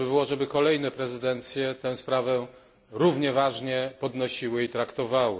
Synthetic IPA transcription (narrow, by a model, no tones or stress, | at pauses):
ɘbɘwɔʐɛbɘkɔlɛjnɛpɾɛzɘd̪ɛnt̪sʲjɛt̪ɛw̃spɾavɛ | ɾuvɲɛvaʐɲɛpɔd̪nɔɕiwɘit̪ɾakt̪ɔvawɘ